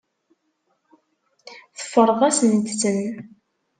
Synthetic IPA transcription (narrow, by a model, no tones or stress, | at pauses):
θə̥fːəɾˤəðˤæsnət̪ːt͡sːəm